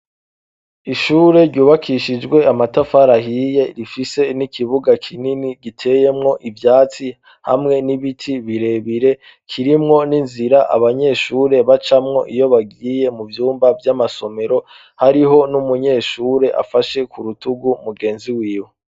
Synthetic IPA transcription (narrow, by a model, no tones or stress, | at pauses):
iʃuːɾe̞ɾɟuːβakʰiʃid͡ʒɡwe̞amatafaɾahije̞ɾifise̞nikiβuɡakʰininiɡitʰe̞je̞mŋo̞ʔivjaːt͡si | ha̰mŋe̞niβitʰiβiɾe̞βiɾe̞ | kʰiɾimŋo̞ninziɾaʔa̰βaɲe̞ːʃuːɾe̞βat͡ʃamŋo̞̰ʔijo̞βaɡije̞muvjuːmbavjamaso̞me̞ɾo̞ | haɾiɦo̞numuɲe̞ːʃuːɾeʔa̰faʃe̞kuɾutuɡumuɡe̞ːnziwiːwe